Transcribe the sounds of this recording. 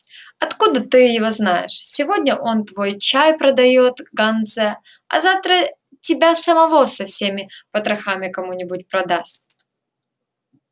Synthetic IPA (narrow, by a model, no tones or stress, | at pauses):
ɐt̪kud̪ət̪ɨjɪvo̞znajɪ̰ʂsʲɪvo̞dʲnʲəʔo̞nt̪vojt͡ɕajpɾəd̪ɐjo̞t̪ɡɐnd̪zɛ | ɐ̰zaft̪ɾə | tʲɪbʲasəmɐvo̞sɐfsʲemʲɪpət̪ɾɐxamʲɪkɐmunʲɪbʊtʲpɾɐd̪asʲt̚ʲ